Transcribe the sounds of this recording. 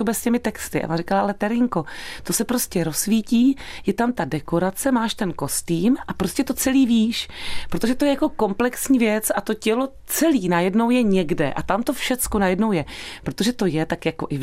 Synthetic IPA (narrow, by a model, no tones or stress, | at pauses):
ubɛscɛmɪt̪ɛkst̪ɪʔa̰va̰rɪkalaʔalɛt̪ɛɾɪŋko̞t̪o̞sɛpɾoscɛɾo̞sviːciːjɛt̪amt̪adɛko̞ɾat͡sɛmaːʃt̪ɛnko̞st̪iːmʔapɾo̞scɛt̪o̞t͡sɛliːviːʃpɾot̪oʒɛt̪o̞jɛjako̞ko̞mplɛksɲiːvjɛt͡sat̪o̞cɛlo̞ | t͡sɛliːnajɛdno̞wjɛɲɛɡdɛ̰ʔa̰t̪amt̪o̞fʃɛt͡skunajɛdnowjɛpɾot̪o̞ʒɛt̪o̞jɛt̪akjako̞ʔɪ